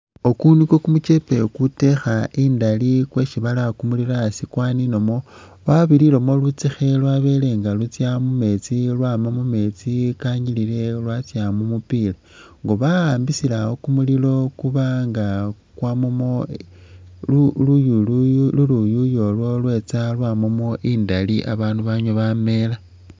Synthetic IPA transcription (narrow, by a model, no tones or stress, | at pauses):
okunikokumut͡ʃe̞pe̞kute̞xaʔiːndalikwe̞ʃiβalakumuliɾasikwaːnino̞mo̞ | βaβililomo̞lut͡sixelwaβe̞le̞ŋɡalut͡sjamume̞t͡silwamamume̞t͡sikaɲilile̞lwat͡sjamumupila | ŋɡoβaaːmbisilaho̞kumulilo̞kuβaŋɡa | kwamomo | ulujullulujujo̞lwo̞lwe̞t͡salwaːmomo̞ʔiːndaliʔa̰βaːnduβaɲoβame̞la